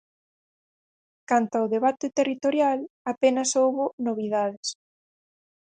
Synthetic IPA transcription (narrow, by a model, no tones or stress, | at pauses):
kant̪aʊðeβat̪ɪt̪erit̪oɾjalapenɐsowβʊnoβ̞ið̞aðɪs